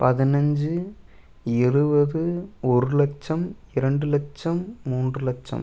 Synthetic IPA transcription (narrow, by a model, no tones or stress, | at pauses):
pɐðɪnɐɲd͡ʒɯ | ɛɻɯbɐðɯɔɾɯlɐk̚t͡ʃːɐmɪɾɐɳɖɯlɐk̚t͡ʃɐmːuːndrɯlɐk̚t͡ʃːɐ̰m